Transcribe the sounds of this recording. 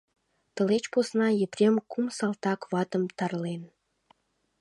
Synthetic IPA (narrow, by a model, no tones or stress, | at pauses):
t̪ə̆let͡ɕposnɑjeprʲemkumsɑlt̪ɑkβɑt̪ə̆mt̪ɑrlen